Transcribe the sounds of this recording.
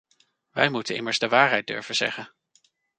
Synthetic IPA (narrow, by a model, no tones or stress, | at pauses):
ʋɛjmutənɪ̰məɹzdəʋaːɹɦɛjd̚dɵ̰ɹv̥əzɛ̰χən